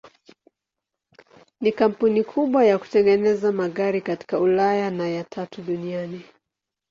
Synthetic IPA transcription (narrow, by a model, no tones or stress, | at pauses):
nikam̩punikʰuɓwajaku̥tɛŋɡɛnɛzamaɠaɾikati̥kaulajanajatʰatuɗuniani